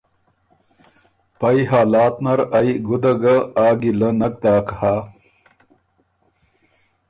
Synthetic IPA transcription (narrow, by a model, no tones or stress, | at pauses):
pɐjɦaːlaːt̪nɐɾɐjɡud̪ɐɡɐaːɡilɐnɐk̚d̪aːkha